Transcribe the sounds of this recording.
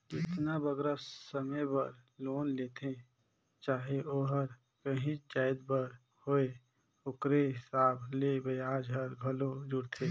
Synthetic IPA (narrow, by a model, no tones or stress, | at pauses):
ɪt̪nabəɡɾasəməjbəɾloːnleːt̪ʰẽ | t͡ʃaːɦeʔoːɦəɾ | kəɦĩt͡ʃaːɪd̪bəɾ | hoːe | ʊkɾeɦɪsaːblebəaːd͡ʒɦəɾɡʱəlod͡ʒʊɽt̪ʰe